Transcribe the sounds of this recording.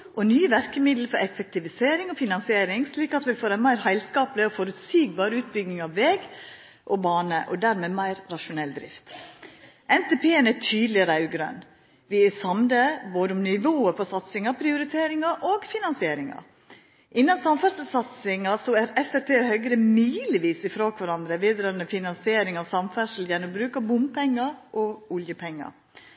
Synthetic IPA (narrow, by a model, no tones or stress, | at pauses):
ʔɔnyːəʋæɾkəmɪd̪ləfɔɾɛfɛk̚t̪ɪʋɪseːɾɪŋɔfɪnɑnsɪeːɾɪŋsliːkɑt̪ʋɪfoːɾɛnmæɪɾhæɪlskɑːplɪɔfɔɾʉt̪siːɡ̚bɑːɾʉːt̪̚bʏɡnɪŋɑʋːeːɡ | ʔɔbɑːnəʔɔ̰d̪æɾmeːmæɪɾɾɑʃʊnɛld̪ɾɪ̰ft̪ | ʔɛnt̪eːpʰeːənæt̪ʰyːd̪l̩ɪɾɑʉɡɾœ̰n | ʋɪɛsɑmd̪əboːd̪əʊmnɪʋoːəpʰɔsɑt̪sɪŋɑpʰɾɪʊɾɪt̪ʰeːɾɪŋɑʔoːɡfɪnɑnsɪeːɾɪŋɑ̰ɾ | ʔɪnːɑnsɑmfæʂl̩sɑt̪sɪŋɑsɔæɾɛfæpʰeːhœɡɾəmyːlɪʋiːsɪfɾoːkʰʋɑɾɑnd̪ɾəʋiːd̪ɾɑːɾənəfɪnɑnsɪeːɾɪŋɑsɑmfæʂl̩jɛnːɔmbɾʉːkɑbʊmpʰɛŋːɑɾʔɔʊljəpʰɛŋːɑ̰